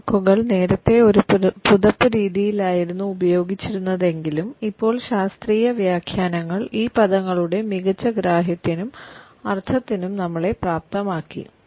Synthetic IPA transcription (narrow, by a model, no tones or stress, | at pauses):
kːuɣɐɭne̞ːɾɐt̪ːe̞o̞ɾupuðɐpːɨɾiːðijilaːjiɾunːuubɐjo̞ːɡit͡ɕːiɾunːɐðe̞ŋɡilumipːo̞ːɭɕaːst̪riːjɐʋjaːkʰjaːnɐŋːɐɭiːpɐðɐŋːɐɭuɽe̞miɣɐt͡ɕːɐɡɾaːɦjɐt̪ːinum | ɐrt̪ʰɐt̪ːinumnɐmːɐɭe̞praːp̚t̪ɐmaːkːḭ